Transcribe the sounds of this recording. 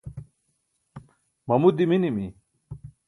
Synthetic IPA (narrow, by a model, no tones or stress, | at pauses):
mɐmud̪iminimi